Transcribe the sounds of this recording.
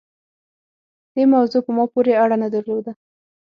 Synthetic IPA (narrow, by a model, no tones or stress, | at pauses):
d̪̥emawzopəmɑpoɾeaɽanad̪aɾlod̪a